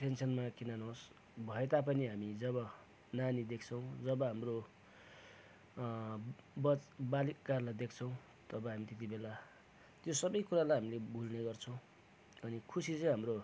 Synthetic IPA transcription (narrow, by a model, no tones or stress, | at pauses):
pʰensʌnmakinanɦos | bʱʌet̪apʌniɦamid͡zʌβʌ | nanid̪ekʰt͡sʰʌw̃d͡zʌbʌɦamro | bʌt͡sbalikkarlajd̪ekʰt͡sʰʌ̃w̃ | t̪ʌbʌɦamit̪et̪ibela | t̪josʌbʌjkuɾalajɦamilebulneɡʌrt͡sʰʌ̃w̃ | ʌnikʰusit͡sʌ̃j̃ɦamro